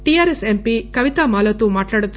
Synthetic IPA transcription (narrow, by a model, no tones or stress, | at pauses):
ʈijaːɾesempikɐʋit̪amaːlɐt̪uːmaːʈlaːɽut̪u